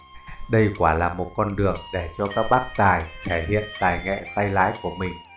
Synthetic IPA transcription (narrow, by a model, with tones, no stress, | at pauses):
ɗə˧jkwaː˧˩laː˨˩mo˨˩t̚kɔ˧nɗɨ˨˩əŋɗe˧˩t͡ɕɔ˧kaː˦˥k̚ɓaː˦˥k̚t̪aː˨˩jt̪ʰɛ˧˩hḭ˧˨ənt̪aː˨˩jŋɛ̰˧˨sa˧jla̰ː˧˥jku˧˩əmï˨˩ŋ̟